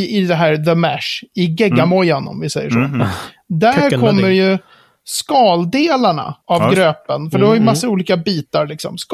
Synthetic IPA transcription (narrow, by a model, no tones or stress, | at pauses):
ɪd̪ɛɦæːɾðəmæʂɪɡɛɡːamɔjːanɔ̰mvɪsɛjːə̰ʂɔ | d̪æɾkʰɔmːəɾjɵ | skɑːld̪eːlaɳa̰avɡɾøːpənfœɖɛhaɾjəmasːauːliːkabiːt̪aɾlɪksɔ̰msk